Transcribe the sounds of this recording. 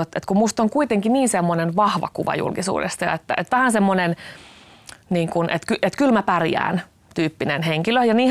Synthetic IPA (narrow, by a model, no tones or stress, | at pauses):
ot̪ːet̪kummust̪oŋkuit̪eŋkiniːnsemːonenʋɑhʋɑ̰kuʋɑ̰jṵlkisṵːdḛst̪ɑjɑ̰et̪ːæ̰ʔet̪ʋæhænsemːonen | niːŋkunʔet̪kyʔet̪kylmæpærjæ̰ːn | t̪yːpːinenheŋkiløjɑniː